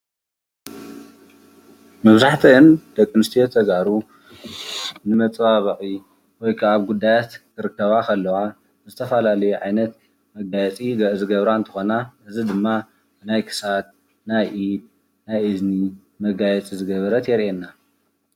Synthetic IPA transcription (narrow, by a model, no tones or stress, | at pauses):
mɐβzaħt̪ʰiɨnd̪̥ɐkʼːɨnɨst̪ʰijot̪ʰɐɡaɾu | nɨmɐt͡sʼβaβɨʔʼi | wɔjkʰaːβɡud̪ːajat̪kʰɨɾɨkːɐβakʰɐlːɐwa | zɨt̪ʰɐfɐlalɐjuʕajnɐt̪ | mɐɡajɛt͡sʼiɡɐʔɨzɨɡɐβɾaɨnt̪ʰɨ̥xonaʔɨzid̪ɨmːa | najkʰɨ̥sat̪̚ | najʔid̪̚ | najɨzni | mɐɡajɛt͡sʼizɨɡɐβɐɾɐt̪jɛɾenːa